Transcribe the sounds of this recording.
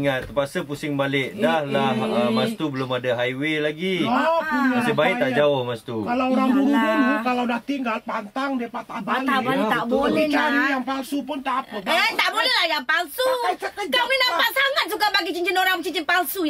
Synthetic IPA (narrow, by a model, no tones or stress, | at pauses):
ŋat̪ːəpasəpusɪŋbalɪʔdahlahəmast̪ubəlʊmadaɦajwelaɡiɔunasəbaiʔt̪aʔd͡ʒaʊhmast̪ukalawoɾaŋbuɡunuukalawdaht̪iŋɡalpant̪aŋdiəpat̪abaabat̪aʔbolɛt͡ʃaɾijaŋpalsupʊnt̪apəat̪aʔbolɛhlahjaŋpalsuaminapat̪̚saŋat̪̚suɡabaɡit͡ʃiɲt͡ʃinoɾaŋmt͡ʃiɲt͡ʃinpalsu